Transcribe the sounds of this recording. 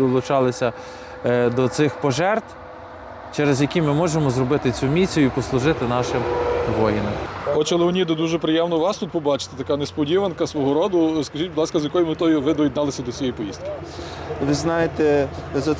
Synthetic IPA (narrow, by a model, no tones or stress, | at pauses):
d̪ɔlˠʊt͡ʃɑlˠɪsʲɐ | d̪ɔt̪sɪxpɔʒɛrt̪ | t͡ʃɛɾezjɐkʲimɪmɔʒemɔzɾɔbɪt̪ɪt͡sʲumʲit͡sʲːjʊipɔslˠʊʒɪt̪ɪnɑʃɪmʋɔjinɪmɔt͡ʃɐlˠɪʊnʲid̪ɔd̪uʒɛpɾɪjɛmnɔʋɑst̪ut̪pɔbɑt͡ʃɪ̥t̪e̥t̪ɐkɑnespɔdʲiʋɐnkɐsʋɔɦɔɾɔd̪ʊskɐʒitʲbʊd̪lˠɑskɐzjɐkɔjʊmɪt̪ɔjʊʋɪd̪ɔjid̪nɑlˠɪsʲɐd̪ɔsʲijijpɔjist̪̚kɪ̥ʋɪznɑjet̪ɛzɐ